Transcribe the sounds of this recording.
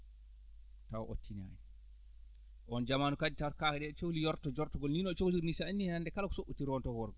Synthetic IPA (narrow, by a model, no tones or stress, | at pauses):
taw̰ʔo̰tʰːina̰ːjɛ | ʔɔnd͡ʒamaːnukad͡ʒitawkakɛdɛt͡ʃowlijɔɾtɔd͡ʒɔɾtɔɡɔlniːnɔt͡ʃowliɾnisaanːiandɛkalakɔ̥soʔːutːiɾɔntɔkwɔɾɡɔ